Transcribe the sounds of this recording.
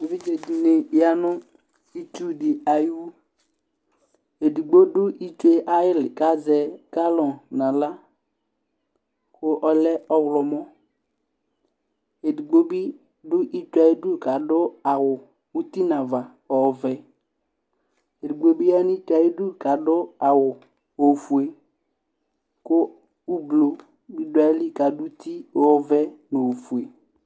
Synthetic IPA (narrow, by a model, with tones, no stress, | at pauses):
e˨bi˦d͡ʒe˨di˨ne˨ja˦nʊ˦ | i˦tu˦dɪ˨a˨ju˦u˦ | e˨di˨ɡ͡bo˦dʊ˦ʔi˦te˦ʔa˦jɪ˦lɪ˨ka˦zɛ˨ka˦lɔ˨nã˨la˦ | kʊ˦ʔɔ˨lɛ˦ɔ˦wlɔ˨mɔ˦ | e˨di˨ɡ͡bo˦bi˦ | dʊ˦ʔi˦ta˨i˦du˦˨ka˨dʊ˦a˨wʊ˨ | u˦ti˦na˨va˨ | ɔ˨˦vɛ˦ | e˨di˨ɡ͡bo˦bi˦ja˦ni˦ta˨i˦du˦ka˨dʊ˦a˨wʊ˨ | o˨fu˨e˨ | kʊ˦ | u˦blo˨ | bi˦da˨˦li˦ka˨dʊ˦ti˦ɔ˨˦vɛ˦no˨fu˨e˨